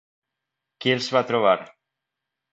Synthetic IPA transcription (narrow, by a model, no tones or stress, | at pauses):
kjelsβat̪ɾoβ̞aɾ